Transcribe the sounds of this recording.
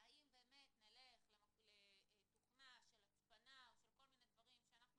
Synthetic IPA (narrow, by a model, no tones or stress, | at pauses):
aimbe̞ːme̞t̪nale̞χlemlet̪uχnaʃe̞lat͡spanaoʃelko̞lmined̪vaʁimʃeanaχnu